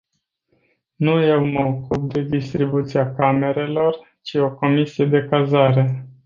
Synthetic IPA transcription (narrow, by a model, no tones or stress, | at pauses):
nuje̞wməokup̚d̪e̞d̪ist̪ɾibut̪siakame̞ɾe̞lo̞r | t͡ʃio̞ko̞misije̞d̪e̞kazaɾe̞